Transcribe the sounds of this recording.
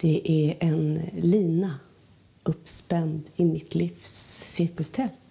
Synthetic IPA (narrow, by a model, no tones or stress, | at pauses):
d̪̥ɛʔæɾɛnliːna | ɵpːspɛnd̪ɪmɪt̪ʰliːfsːɪɾkəlst̪ʰɛl